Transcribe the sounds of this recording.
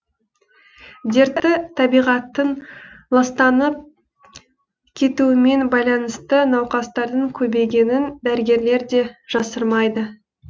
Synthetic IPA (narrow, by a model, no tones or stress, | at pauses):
d̪e̞ɾt̪ːɪt̪ʰɑbijʁɑt̪ːənlˠɑst̪ɑnəp̚ | kʲʰe̞t̪uɪme̞nbɑjlˠɑnəst̪ənɑwqɑst̪ɑɾd̪əɴkʲʰɵbe̞jɡʲe̞nɪnd̪æɾɪɡʲe̞ɾle̞ɾd̪e̞ʒ̥ɑsəɾmɑjd̪ə